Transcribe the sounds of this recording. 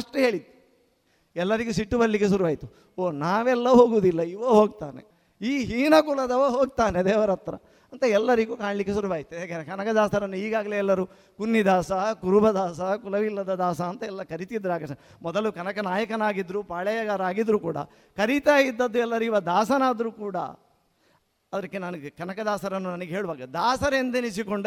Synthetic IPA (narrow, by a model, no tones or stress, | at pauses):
ɐʂʈuɦe̞ːɭit̪ːu̥ | ɛlːɐɾiɡusiʈːubɐɾɐlikːesuɾuʋaːjit̪u | oːnaːʋɛlːɐɦoːɡuːd̪ilːɐiʋɐɦoːɡ̚t̪aːnḛ | iːɦiːnɐkulɐd̪ɐʋɐɦoːɡ̚t̪aːne̞d̪ɛːʋɐɾɐt̪ːɾɐ̰ | ɐnt̪ɐɛlːɐɾiɡuːkaːɳɐlikːesuɾuʋaːjit̪ːueːkɐkɐnɐkɐd̪aːst̪ɐɾɐnːuiːɡaːɡɐleɛlːɐɾu | kunːid̪aːsɐkuɾubɐd̪aːsɐkulɐʋilːɐd̪ɐd̪aːsɐːnt̪ɐɛlːɐkɐɾit̪id̪ːɾaːɡɐɐ | mɔd̪ɐlukɐnɐkɐnaːjɐkɐnaːɡid̪ɾupaːɭɛjɐɡaːɾaːɡid̪ɾukuːɽɐ̰ | kɐɾit̪aːjid̪ːɐd̪ːuɛlːɐɾuiːʋɐd̪aːsɐnaːd̪ɐɾukuːɽɐ̰ | ɐd̪ɐɾikːenɐnɐɡekɐnɐkɐd̪aːsɐɾɐnːunɐnɐɡeɦeːɭuʋaːɡɐd̪aːsɐɾend̪enit͡ʃikoɳɖ